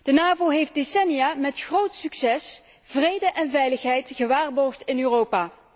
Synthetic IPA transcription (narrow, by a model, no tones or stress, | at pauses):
d̥ənaːvoɦejf̚desɛnijaːmɛtχrowtsyksɛs | vrejdəʔɛnvɛjləxɦɛjtɣəʋaːrbɔɹχtɪnøːrowpaː